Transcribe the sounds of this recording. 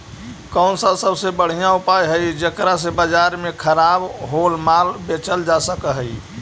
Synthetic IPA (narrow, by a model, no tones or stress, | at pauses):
kənsəbsəbsebəɽ̤ijãupajɦəjd͡ʒekɾasebəd͡ʒaɾmekʰəɾabɦolmalbet͡ʃəld͡ʒasəkəɦəj